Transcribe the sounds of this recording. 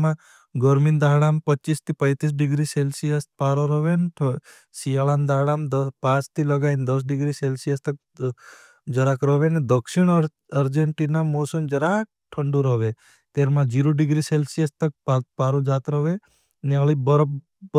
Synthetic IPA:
mã | ɡəɾmind̪aːɽampət͡ʃːist̪ipəjt̪is̬ɖiɡɾiselsijəst̪̚paːɾoɾɔʋenʈʰ | sijaland̪aːɽaːmd̪pãt͡ʃt̪ʰiləɡaind̪əs̬ɖiɡɾiselsijəst̪ək̚ | d͡ʒəɾakɾɔʋened̪əkʃiɳ̃ | əɾd͡ʒeɳʈinamoːsəmd͡ʒəɾak̚ | ʈʰːəɳɖuɾɔʋe | t̪eːɾmãd͡ʒiɾoɖɪɡɾiselsijəst̪ək̚papaːɾod͡ʒaːt̪ɾɔʋe | neəlibəɾb

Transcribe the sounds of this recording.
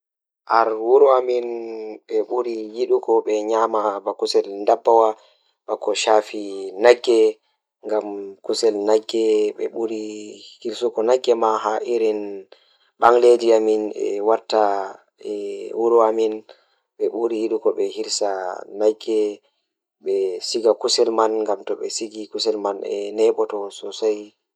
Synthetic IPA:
ʔaɾwuɾuaminɓɛɓuɾijiɗukɔɓɛɲamabakusɛlndabːawa | ɓakɔʃafinaɡːɛ | ŋɡamkusɛlnaɡːɛɓɛɓuɾihiɾsukɔnaɡːɛmaɦaʔiɾin | ɓaŋlediaminɛ̰waɾta | ɛwuɾuamin | ɓɛɓuɾihiɗukɔɓɛhiɾsanaɡːɛ | ɓɛsiɡakusɛlmanŋɡamtɔɓɛsiɡikusɛlmanɛ̰nɛɓɔtɔsɔsaj

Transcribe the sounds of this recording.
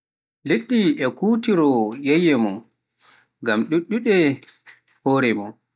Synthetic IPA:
leɗːiɛkuːtiɾɔjejɛmɔn | ɡamɗuɗːuɗɛ | hoːɾɛmɔn

